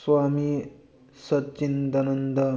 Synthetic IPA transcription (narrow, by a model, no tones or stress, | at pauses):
sʋaːmi | sɐt̪t͡ʃind̪ɐnənd̪ɐ